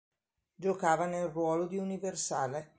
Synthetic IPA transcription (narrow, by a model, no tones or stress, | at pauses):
d͡ʒokaːvanelrwɔːlod̪iuniversaːle